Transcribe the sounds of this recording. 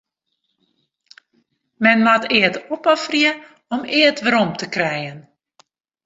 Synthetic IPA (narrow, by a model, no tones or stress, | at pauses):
mɛnmatɪətɔpɔfriə | ɔmɪətʋəɾɔmtəkrɛjən